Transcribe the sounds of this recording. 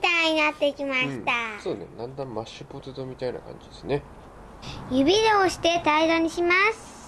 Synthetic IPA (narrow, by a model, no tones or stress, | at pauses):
t̪ãɲ̟inat̪ːe̞ikʲimaɕi̥t̪asoːnḛnãnd̪ãmmaɕːɯpot̪ed̪omʲit̪aina̰kã̰ɲ̟d͡ʑid̪esɨne | jɯ̟bʲiɾooɕi̥t̪e̞t̪aid̪oɲ̟iɕimasɨ̥